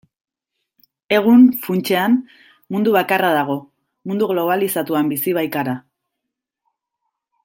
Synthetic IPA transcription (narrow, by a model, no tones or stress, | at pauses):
e̞ɣ̞unfunt͡ʃe̞am | mund̪uβakarað̞aɣ̞o̞ | mund̪uɣlo̞β̞alisat̪uambisiβ̞ajt̪aɾa